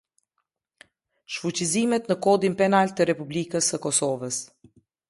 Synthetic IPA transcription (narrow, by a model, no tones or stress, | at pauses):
ʃfut͡ɕizimɛt̪nəkɔd̪inpɛnalt̪əɾɛpublikəsəkɔsɔvəs